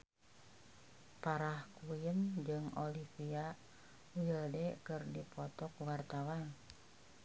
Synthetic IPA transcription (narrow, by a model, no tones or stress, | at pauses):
paɾahkuɪənd͡ʒɨŋolifia | ujədɛkərdipɔt̪ɔkwart̪awan